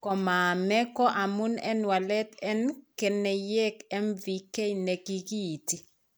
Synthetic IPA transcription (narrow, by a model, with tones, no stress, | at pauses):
kɔ˨ma˨mɛ˦kɔ˦ʔa˨mu˦nɛ̰˦nwa˨lɛ˦tɛ˦nkɛ˨nːɛ˨jɛ˦kɛ˦mvi˨kɛ˦jnɛ˨ki˦ki˦˨ti˨